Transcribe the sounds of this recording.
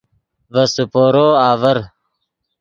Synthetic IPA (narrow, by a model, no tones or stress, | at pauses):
vɐsupoːɾoːaːvɐɾ